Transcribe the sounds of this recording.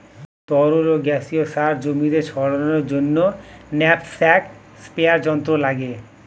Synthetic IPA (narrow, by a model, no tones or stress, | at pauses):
t̪ɔɾuɾoɡɛsiosaɾd͡ʑomid̪eɾʃʰɔɽonoɾd͡ʑonːonɛpsɛk | speaɾd͡ʑɔnt̪ɾolaɡe